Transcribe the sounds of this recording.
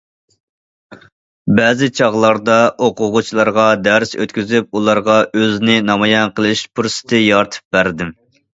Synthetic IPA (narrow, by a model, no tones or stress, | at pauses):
bɛːzɪt͡ʃʰɑʁlˠɑɾd̪ɑʔoqʊʁʊt͡ʃʰilˠɑɾʁɑd̪æɾsø̰t̪kʲyzyp̚ulˠɑɾʁɑʔøznɪnɑmɑjɛnqʰəlˠɪʃpʰuɾsɨ̥t̪ʰɨjɑɾt̪ʰɨ̥p̚bæɾd̪ɪm